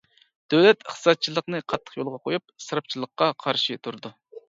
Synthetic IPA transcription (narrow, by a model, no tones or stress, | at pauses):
d̪̥øwlɛt̪əχt̪ʰɨ̥sɑt̪̚t͡ʃʰilˠəqnɨqʰɑt̪ʰːə̥χjolˠʁɑqʰojup̚sɨɾɑp̚t͡ʃʰilˠəqːɑqʰɑɾʃit̪ʰuɾd̪u